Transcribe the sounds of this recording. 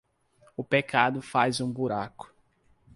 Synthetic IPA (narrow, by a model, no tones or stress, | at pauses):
ʊpekʰad̪ʊfajzũbuɾakʊ̥